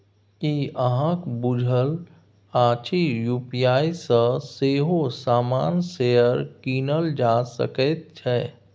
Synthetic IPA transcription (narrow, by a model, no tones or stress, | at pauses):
kiəɦãkbʊd͡ʒʱəl | aːt͡ʃʰijuːpijaːisə̃seːɦosaːmaːnsejəɾkiːnəld͡ʒaːsə̰kət̪̚t͡ʃʰɛː